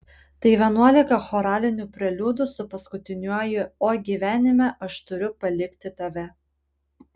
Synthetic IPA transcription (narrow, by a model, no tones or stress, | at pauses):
t̪ɐɪʋʲɛnuɔlʲɪkɐxɔːɾɑːlʲɪnʲuːpʲɾʲɛlʲuːd̪ʊsʊpɐskʊt̪ʲɪnʲuɔjɪoːɡʲiːʋʲæːnʲɪmʲɛʔɐʃt̪ʊɾʲʊpɐlʲɪkʲt̪ʲɪt̪ɐʋʲɛ